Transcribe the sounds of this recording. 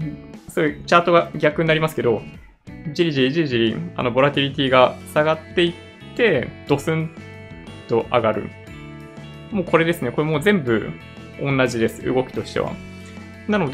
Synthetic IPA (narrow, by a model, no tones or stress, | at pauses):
soit͡ɕaːt̪o̞ɡaɡʲakɯ̟ɲnaɾʲimasɨ̥ke̞d̪o̞ | d͡ʑiɾʲiʑiɾʲiʑiɾiʑiɾʲia̰no̞bo̞ɾat̪ʲiɾʲit̪ʲiːɡasaɡat̪ːe̞i | t̪ːe̞d̪̥o̞sɨ̃n | t̪o̞ʔaɡaɾɯ̟̰ | mo̞ːko̞ɾe̞d̪e̞sɨne̞ko̞ɾemo̞ːzẽ̞mbɯ̟̰ | õ̞nːaʑid̪e̞sɨ̥ɯ̰ɡo̞kʲi̥t̪o̞ɕi̥t̪e̞̰βa̰ | nano̞d̪